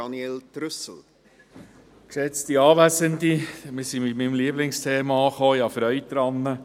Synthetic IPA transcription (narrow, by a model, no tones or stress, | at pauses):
ɑnieltɾʏsl̩ | ksɛt͡stiɑːʋæsəndimisimɪtmimliəblɪŋstʰeːmɑɑχoːjɑfɾœʏɥt̪ɾɑnːə